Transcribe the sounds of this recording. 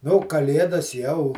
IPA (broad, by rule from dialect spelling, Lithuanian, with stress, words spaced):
ˈnuː kɐˈlʲeːdɐs jɛʊ